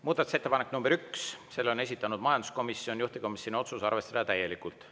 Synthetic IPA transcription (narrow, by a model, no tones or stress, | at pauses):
muːd̪ɑt̪u̥se̞t̪ːepɑnekːnumbeɾyksse̞lːone̞s̬ʲit̪ːˑɑnud̪̥mɑjɑnd̪usko̞misːjio̞nʲjuht̪iko̞misjonio̞t̪susɑrve̞st̪ɑd̪ɑt̪æje̞likˑult̪ˑ